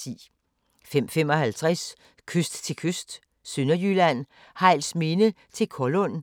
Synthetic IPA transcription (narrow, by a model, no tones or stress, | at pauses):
ḭː | fem̰fem̰ɒ̽hælt͡sʰʁas | kʰøsd̥t͡sʰe̝lkʰøsd̥ | sønɐjylæn̰ | hɑ̈ɪ̰lsme̝nət͡sʰe̝lkʰɒlɔn